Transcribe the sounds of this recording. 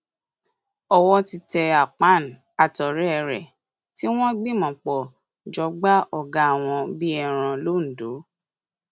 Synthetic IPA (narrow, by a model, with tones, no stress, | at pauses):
ɔ˧wɔ˧ti˧tɛ˧a˨k͡pa˨˦˨n˨ | a˨tɔ˨ɾi˨˦ɛ˧ɾɛ˨ | ti˦w̃ɔ̃˦ɡ͡bi˦˨mã˨k͡pɔ˨ | d͡ʒɔ˨˧˦ɡ͡ba˦ʔɔ˧˨ɡa˦˨w̃ɔ̃˧bi˦ɛ˧˨ɾ̃ã˧lo˦n̩˨do˨˦